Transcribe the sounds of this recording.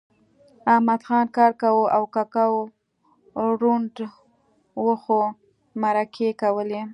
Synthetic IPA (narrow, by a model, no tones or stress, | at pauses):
ahmad̪xɑnkɑɾkawuʔawkakaw | ɾuɳɖ | wəxo | maɾakʰekawəle